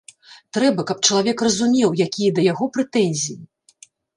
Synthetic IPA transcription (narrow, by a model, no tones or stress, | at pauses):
t̪ɾɛbɐkɐp̚t͡ʂɐlˠavʲɛkrɐzumʲɛwjakʲʰijɐd̪ɐjaɣɔpɾɛt̪ɛnʲzʲiji